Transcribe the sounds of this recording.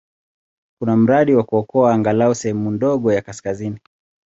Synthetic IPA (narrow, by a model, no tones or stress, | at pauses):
kunam̩ɾaɗiwakuɔkɔaːŋɡalausɛhɛmundɔɠɔjakaskazini